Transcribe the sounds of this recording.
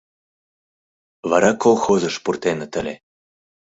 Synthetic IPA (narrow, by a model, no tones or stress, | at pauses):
βɑɾɑkolˠxozɤ̆ʃpurt̪enə̆t̪ə̆lʲe